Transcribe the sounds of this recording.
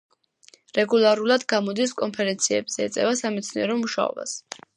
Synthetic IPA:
ɾɛɡulˠaɾulˠad̪ɡamɔd̪iskʼɔnpʰɛɾɛnt̪sʰiɛbz̥ɛɛt̪sʼɛvasamɛt̪sʰniɛɾɔmuʃa̰ɔ̰ba̰s

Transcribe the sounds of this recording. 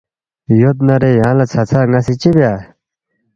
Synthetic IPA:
jot̪̚naɾejalat͡sʰat͡sʰaŋasʰeːt͡ɕepeː

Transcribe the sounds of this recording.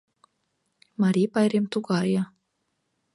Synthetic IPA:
mɑɾʲipɑjɾemt̪ukɑjɑ

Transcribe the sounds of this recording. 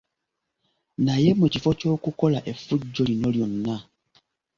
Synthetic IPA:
naje̞mucifo̞co̞ːkuko̞laʔefuɟːolinoljonːa

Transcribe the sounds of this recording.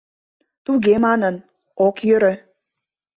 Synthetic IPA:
t̪uɣemɑnən | okjøɾø̆

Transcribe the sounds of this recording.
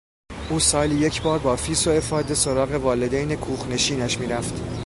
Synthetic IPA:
ʔuːsɒːlije̞cʰbɒːɾbɒːfiːsoe̞fɒːd̪e̞so̞ɾɒːɣe̞vɒːled̪ejnekʰuːxne̞ʃiːnæʃmiːɾæft̪

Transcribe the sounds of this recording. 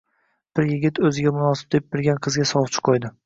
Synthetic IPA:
b̥ɪɾjɪɡʲɪt̪ɵzɪɡʲamʊnɒsɪb̚d̪ep̚bɪɾɡʲanqʰɨzɡʲasɒwt͡ʃʰɪ̥qʰojd̪ɪ

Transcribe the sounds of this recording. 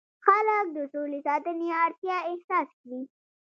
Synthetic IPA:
xalək̚d̪əsolesɑt̪əneaɾt̪jɑɪhsɑskwi

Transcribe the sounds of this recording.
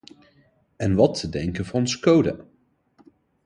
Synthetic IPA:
ɛnʋɑtʰːədɛŋkənvʊɔnsəkowdə̰

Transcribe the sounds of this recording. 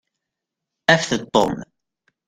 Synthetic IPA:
æfθət̪ˤːo̰m

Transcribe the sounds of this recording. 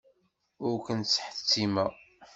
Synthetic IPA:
ʊɾkənt͡sːħə̥θt͡sːimæ

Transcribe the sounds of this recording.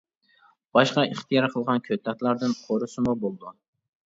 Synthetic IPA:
b̥ɑʃqɑiχt̪ʰijɑɾqʰəlˠʁɑnkʲʰøt̪ʰːɛt̪lˠɑɾd̪ɨnqʰoɾʊsɨmubolˠd̪u

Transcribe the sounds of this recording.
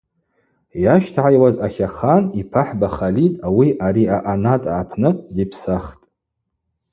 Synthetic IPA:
jaʃtʰʕajwazaχʲaχanipʰaħbaχalitʼawiʔaɾiaʔanatʼʕapʰnɨdipʰsaχtʼ

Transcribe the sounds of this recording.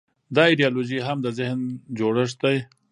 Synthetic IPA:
d̪ɑiɖijɑloʒiɦamd̪əzɪhnd͡ʒoɽəʂ̬t̪aj

